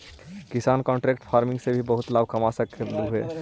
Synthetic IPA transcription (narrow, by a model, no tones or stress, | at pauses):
kisankɔ̃ɳʈɾekʈpʰaɾmĩŋɡsẽbʱibəɦut̪lab̚ʱkəmasəkʰeluɦuḛ